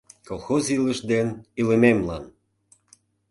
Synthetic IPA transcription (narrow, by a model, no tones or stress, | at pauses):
kolˠxoziləʃd̪enilememlɑ̰n